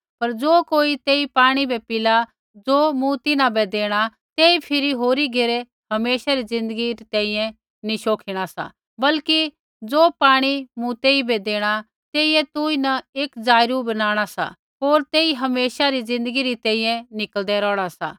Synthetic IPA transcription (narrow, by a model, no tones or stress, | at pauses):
pɐɾd͡zoːkoːit̪eːipaːɽ̃ibɛpɪla | d͡zoːmũt̪ɪnãbɛd̪eːɽ̃a | t̪eːipʰɪɾiɦoːɾiɡeɾɛ | ɦɐmeːʃaɾid͡zɪ̃nd̪əɡiɾit̪ɛ̃ːĩːjɛ̃ | niʃoːkʰiɽ̃asa̰ | bɐlki | d͡zoːpaːɽ̃imʊ̃t̪eːibɛd̪eːɽ̃a | t̪eːiɛt̪ʊinɐeːkd͡zaːɪɾubɐnaːɽ̃asa̰ | ɦoːɾt̪eːiɦɐmeːʃaɾid͡zɪ̃nd̪əɡiɾit̪ɛ̃ːĩːjɛ̃nɪkəld̪ɛɾɔːɽ̃asa̰ː